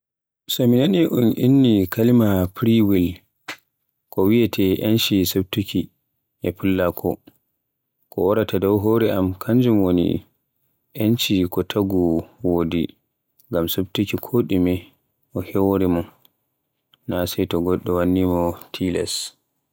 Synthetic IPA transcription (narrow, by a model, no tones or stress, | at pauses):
saminaniʔunʔinːikʰalimapɾiwil | kɔwiɛtʰɛʔant͡ʃisob̚tuki | ʔɛpʰulːakʰɔ | kɔɔɾatadɔwɦoɾɛamkʰaɲd͡ʒumwonḭ | ʔent͡ʃikɔtʰaɡuwodḭ | ŋɡamsobtukikʰoɗimɛ | ʔɔhɛwoɾimɔ | nasɛjtɔɡɔɗːɔwanːimɔtʰilɛ̰s